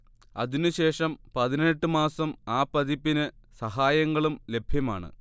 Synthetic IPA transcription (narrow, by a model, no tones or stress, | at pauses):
ɐ̰ðinɨɕe̞ːʂɐmpɐðineʈːɨmaːsɐmaːpːɐðipːinɨsɐɦaːjɐŋːɐɭumle̞bʱjɐmaːɳɨ̰